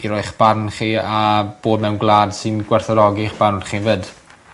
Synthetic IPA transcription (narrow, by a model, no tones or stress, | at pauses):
iɾɔɨχb̥arnχiab̥oːdmɛwnɡlˠaːd̥sɪnɡ̥wɛrθɔɾɔɡiχb̥arχivəd